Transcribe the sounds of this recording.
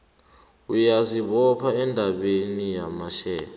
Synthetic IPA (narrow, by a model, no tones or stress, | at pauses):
ujaziɓɔpʰaɛndʱaɓenijamaʃɛ̰ːa